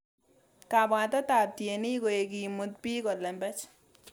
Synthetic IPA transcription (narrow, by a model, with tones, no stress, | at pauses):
ka˨bɔ˨a˨t̪a˦ta˨tje˨ni˦ɡo˨e˨ɡi˨mo˨˦t̪pi˦ɡɔ˨lɛ˨mbɛ˦t͡ʃ